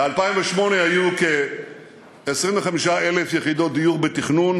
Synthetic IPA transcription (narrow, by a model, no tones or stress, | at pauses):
bealpaiɱveʃmo̞neajuke | esʁimveχamiʃaele̞fjeχid̪o̞d̪ijuʁbet̪iχnun